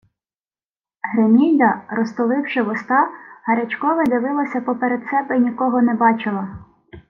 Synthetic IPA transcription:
ɦɾemʲijd̪ɐɾɔst̪ɔlˠɪwʃɪʋɔst̪ɑhɐɾʲɐt͡ʃkɔʋɐd̪ʲɪʋɪlˠɐsʲɐpɔpeɾed̪sɛbɛnʲikɔɦɔnebɑt͡ʃɪlˠɐ

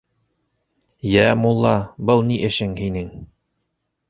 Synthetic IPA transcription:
jæmulˠːɑbɤlˠniʔɘ̆ʃɘŋhinɘŋ

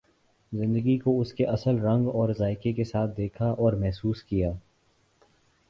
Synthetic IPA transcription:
zɪ̃nd̪əɡikoʊskeʔɐsəlɾɐ̃ŋɡɔːɾzaːɪkekesaːt̪̚ʰd̪eːkʰaʔɔːɾmɛɦsuːskijaː

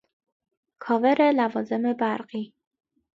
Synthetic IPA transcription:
kʰɒːve̞ɾelævɒːze̞me̞bæɾɢiː

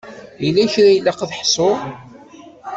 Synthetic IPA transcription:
ilːæçɾæjlːɑqðħsˤo

